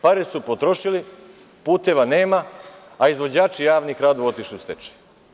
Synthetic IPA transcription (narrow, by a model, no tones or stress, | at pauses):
paɾesupo̞t̪ɾo̞ʃili | puːt̪e̞ʋane̞ːma | aizʋo̞d͡ʑaːt͡ʃijaːʋnixɾad̪oo̞t̪iʃliust̪et͡ʃe̥